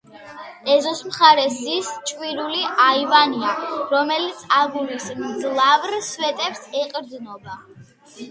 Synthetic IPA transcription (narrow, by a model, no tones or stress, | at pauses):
ɛzɔsmχaɾɛsist͡ʃʼwiɾuliʔaivaniaɾɔmɛlit̪sʰabulismd̪zlˠavɾswɛt̪ʼɛpsɛqʼɾd̪nɔba